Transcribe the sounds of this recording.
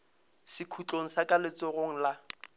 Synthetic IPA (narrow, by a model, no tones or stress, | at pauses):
sɪkʰut͡ɬʼoŋ̩sakʼalɪt͡sʼʊɣoŋ̩la